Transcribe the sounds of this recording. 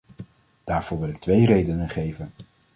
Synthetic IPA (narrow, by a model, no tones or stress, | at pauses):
d̥aːɹv̥ʊːɹʋɪlɪk̚tʋejrejdənənχejvən